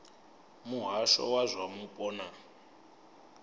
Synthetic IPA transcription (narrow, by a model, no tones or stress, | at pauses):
muɦaʃɔ̰wazʷamupʼɔːna